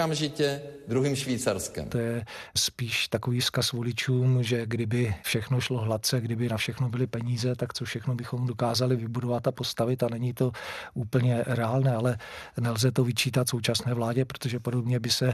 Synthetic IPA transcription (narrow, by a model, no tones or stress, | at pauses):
amʒɪcɛd̪ɾuɦiːmʃviːt͡saɾskɛ̰mt̪ojɛspiːʃt̪akoviːskasvolɪt͡ʃʰuːmʒɛɡdɪbɪfʃɛxnoʃlo̞ɦlat̪̚t͡sɛɡdɪbɪnafʃɛxnobɪlɪpɛɲiːzɛt̪akt͡sofʃɛxnobɪxo̞mdokaːzalɪvɪbudovat̪apo̞st̪avɪt̪anɛɲɪt̪o̞ʔuːpl̩ɲɛɾɛaːlnɛːalɛ | nɛlzɛt̪o̞vɪt͡ʃiːt̪at̪so̞wt͡ʃasnɛːvlaːɟɛpɾot̪oʒɛpo̞do̞bɲɛbɪsɛ